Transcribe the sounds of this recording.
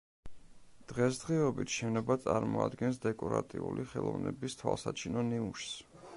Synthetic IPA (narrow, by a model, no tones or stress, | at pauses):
d̪̥ʁɛsd̪̥ʁiɔbit̪ʰʃɛnɔbat̪sʼaɾmɔad̪ɡɛnsd̪ɛkʼɔɾat̪ʼiuliχɛlˠɔvnɛbist̪ʰwalˠsat͡ʃʰinɔniuʃs